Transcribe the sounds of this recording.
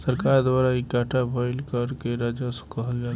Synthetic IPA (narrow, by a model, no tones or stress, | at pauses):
səɾkaɾd̪waɾaikaʈʰabʱəɪlkəɾkeɾad͡ʒasə̥kəɦəld͡ʒal